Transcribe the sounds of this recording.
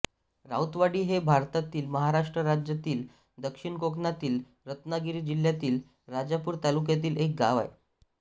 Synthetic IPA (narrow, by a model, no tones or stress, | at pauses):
ɾa̰wt̪ʋaɽiːɦebʱaɾt̪at̪iːlməɦaɾaʂʈɾəɾad͡ʑjat̪iːl | d̪əkʂiɳkoknat̪iːl | ɾət̪naɡiɾiːd͡ʑiljat̪iːl | ɾad͡ʑapuːɾt̪aluk̬jat̪̬iːlek̚ɡaʋa̰e